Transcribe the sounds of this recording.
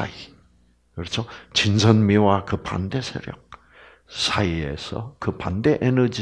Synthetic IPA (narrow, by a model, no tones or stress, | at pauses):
a̰i | kɯɾʌt͡ɕʰot͡ɕinsʰʌnmiwakɯpa̰nde̞sʰeɾjʌ̰k̚ | sʰaie̞̰sʰʌ̰kɯpa̰nd̪e̞ʔenʌd͡ʑi